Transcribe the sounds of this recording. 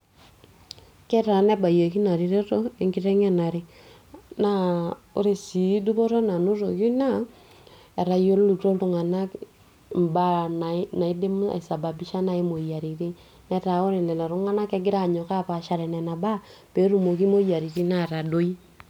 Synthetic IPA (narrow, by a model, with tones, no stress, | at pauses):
kɛ˦ta˨nɛ˦ba˨je˨ki˦na˨ɾi˨ɾe˦to˦e˦ŋɡi˦ɾɛ˦ŋɛ˦na˨ɾi˦ | na˦o̰˦ɾe˨si˨˦du˦bo˦ɾo˦na˨nu˦ɾo˨ki˦na˦ | ɛ˨ɾa˨jo˦llu˨to˦ltu˦˨ŋa˨na˦k | m˨ba˦na˨na˨i˦de˦m˦a̰˨sa˨ba˨bi˦ʃa˦na˦i˦mo˨ja˨ɾi˨ɾi˦ | nɛ˦ta˨o˦ɾe˨lɛ˨la˨ɾu˦ŋa˦na˦kɛ˦ɡɪ˦ɾa˦˨ɲɔ˨ka˦˨pa˨ʃa˨ɾɛ˨nɛ˨na˨ba˦pe˨˦ɾu˨mo˨ki˦mo˦ja˨ɾi˨ɾi˦na˦˨ɾa˨do˦i˦